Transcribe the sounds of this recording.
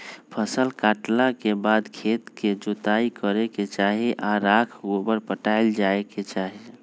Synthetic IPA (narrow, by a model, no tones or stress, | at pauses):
pʰəsəlkaʈlakebad̪kʰet̪ked͡ʒot̪aikəɾeket͡ʃaɦiʔaɾakʰobəɾpəʈaeld͡ʒaeket͡ʃaɦi